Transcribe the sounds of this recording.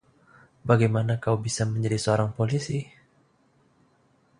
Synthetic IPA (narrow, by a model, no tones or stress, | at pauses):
baɡajmanakawbisaməɲd͡ʒadisəoɾaŋpolisi